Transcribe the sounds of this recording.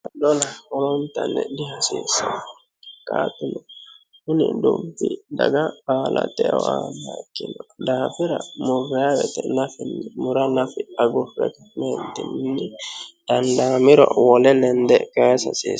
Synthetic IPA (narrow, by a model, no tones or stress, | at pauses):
dɔlɐɔɾɔʊnt̪ɐnːɛ̰d̪ɪhɐsiːsːɐ̰nɔ | kʼaːt̪ʊnɔ | hʊnɪd̪ʊbːɪd̪ɐɡabaːlɐ̰t̪ɛwaːnːaɪkːɪnɔd̪aːfɪɾɐmʊrːɛjawɛt̪ɛnɐfɪnːɪmʊɾɐnɐfɪɐɡʊfɛ̰kɐ̥mɛnd̪ɪnnːɪd̪̥ɐnd̪aːmɪɾɔ̰wɔlɛnɛnd̪ɛkɛsɐsḭː